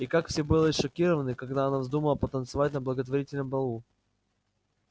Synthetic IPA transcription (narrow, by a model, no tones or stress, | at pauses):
ikakfsʲebɨlˠəʂɐkʲiɾəvənɨkɐɡd̪aɐnavzd̪uməlˠəpət̪ənt̪sɨvatʲnəblˠəɡət̪vɐɾʲitʲɪlʲnəmbɐlˠu